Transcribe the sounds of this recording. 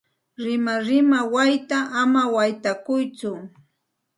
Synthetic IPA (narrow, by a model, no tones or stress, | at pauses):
ɾɪmaɾɪmawajt̪aʔamawajt̪akʊjt͡sʊ